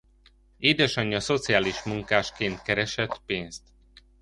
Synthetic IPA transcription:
eːd̪ɛʃɒɲːɒso̞t̪sijaːliʃmuŋkaːʃkeːnt̪kɛɾɛʃɛt̪peːnst̪

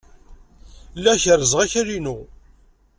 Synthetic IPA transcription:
lːæçəɾəzʁæçəɾinu

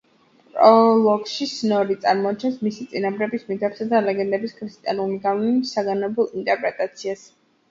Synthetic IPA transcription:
pʼpʼɾɔlˠɔɡʃisnɔɾit̪sʼaɾmɔat̪̚t͡ʃʰɛnsmisit̪sʼinamɾɛbismit̪ʰɛpsad̪alɛɡɛnd̪ɛbiskʰɾist̪ʼianuliɡavniisaɡanɔbulˠint̪ʼɛɾpʼɾɛt̪ʼat̪sʰias

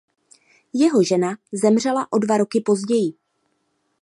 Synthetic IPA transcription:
jɛɦo̞ʒɛnazɛmr̝ɛlaʔo̞dvaɾo̞kɪpo̞zɟɛjɪ

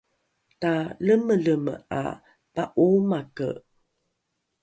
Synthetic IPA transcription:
taləmələməa̰ | paʔumakə̰

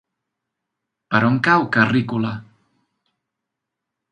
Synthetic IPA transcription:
paɾɔŋkawkarikula

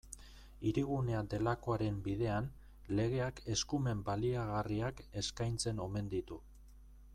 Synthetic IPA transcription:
iɾiɣune̞ad̪e̞lako̞aɾe̞mbið̞e̞an | le̞ɣe̞ake̞skume̞mbaliaɣariake̞skajnt͡se̞no̞me̞nd̪it̪u

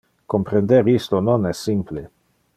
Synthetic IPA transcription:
kompɾend̪eɾist̪ononɛsːimple

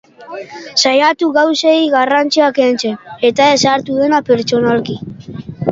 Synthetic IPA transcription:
sajat̪uɣawseiɣarant͡siakent͡sene̞t̪aesaɾt̪uðe̞napeɾt͡ʃo̞nalki

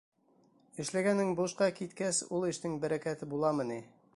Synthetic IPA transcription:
ɘ̆ʃlæɡænːɘŋbuʃqɑkit̪kæsulˠɘ̆ʃt̪ɘŋbæɾækæt̪ɘbulˠɑmɤ̆ni

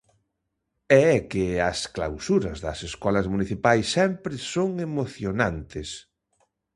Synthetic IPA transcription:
ɛɛkɪɐskla̰wsuɾɐzðɐseskɔlɐzmuniθipajsːɛmpɾɪsoŋemoθjonant̪ɪs

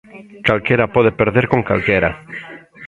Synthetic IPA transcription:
kalkeɾapoð̞epeɾðeɾkoŋka̰lkeɾa̰

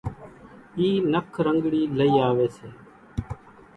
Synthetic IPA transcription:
iːnəkʰɾəŋɡɽiːləiːaːʋeːseː

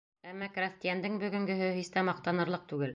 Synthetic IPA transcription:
æmːɑkrast̪ʲijand̪ɘŋbɵ̆ɡɵ̆ŋɡɵ̆ɦɵɦist̪æmɑq̚t̪ɑnɤ̆ɾlˠɤq̚t̪ʉɡɘl

